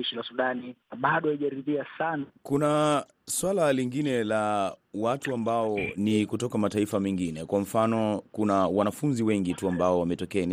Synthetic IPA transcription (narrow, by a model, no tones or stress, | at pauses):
iʃilasuɗaniaɓaɗɔhaiʄaɾiðiasanakuna | swalaliŋɡinɛlawatuambaɔnikutɔkamataifamɛŋɡinɛkwam̩fanɔkunawanafunziwɛŋɡituambaɔwamɛtɔkɛn